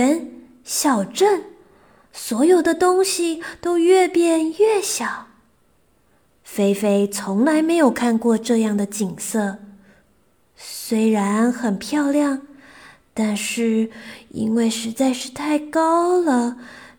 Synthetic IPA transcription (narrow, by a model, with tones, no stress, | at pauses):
ə˧˥n | ɕjɑ˨˩ʊʈ͡ʂə˥˩n | swɔ˧˥jo˨˩ʊd̪ə˨t̪ʊ˥ŋɕi˨t̪o˥ʊjɥɛ˥˧pjɛ˥˧nɥɛ˥˩ɕjɑ˨˩˦ʊ | fe˥ɪfe˥ɪt͡sʰʊ˧˥ŋla˧˥ɪme˧˥ɪjo˨˩ʊkʰa˥˧nkwɔ˥˧ʈ͡ʂɤ˥˧jɑ˥˩ŋd̪ə˩t͡ɕi˨˩ŋsɤ˥˩ | swe˥ɪɻa˧˥nxə˨˩npʰjɑ˥˧ʊljɑ˥˩ŋ | t̪a˥˧nʂɻ̩˥˩ḭ˥nwe˥˩ɪʂɻ̩˧˥t͡sa˥˧ɪʂɻ̩˥˧t̪ʰa˥˩ɪkɑ˥ʊlə˨